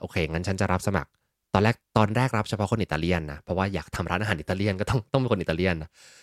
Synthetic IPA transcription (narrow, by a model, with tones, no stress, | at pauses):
ʔoː˧˩kʰeː˧˩ŋa˦˥nt͡ɕʰa˦˥nt͡ɕa˨˩ɾa˦˥p̚sa˧ma̰˨˩k̚ | t̪ɔː˧lɛː˥˩k̚t̪ɔː˧nɾɛː˥˩k̚ɾa˦˥p̚t͡ɕʰa˧ɔ˦˥kʰo˧nʔi˨˩t̪ːaː˧li˥˩ənːa˦˥pʰɾɔ˦˥waː˥˩ja̰ː˨˩k̚t̪ʰa˧mɾaː˦˥nʔaː˧aː˩˦nʔi˨˩t̪ːaː˧li˥˩ənkɔ˥t̪ɔ˥˩ŋt̪ɔ˥˩ŋmi˧ko˧ni˨˩aː˧li˥˩ənːa˦˥